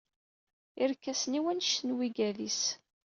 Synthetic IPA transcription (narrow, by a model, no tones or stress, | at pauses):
ɪɾkːæsniwænʃtənwiɡæðis